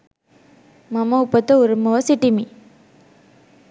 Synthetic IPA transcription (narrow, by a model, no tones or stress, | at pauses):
mɐmɐupɐt̪ɐuɾɐmɐʋɐsiʈimi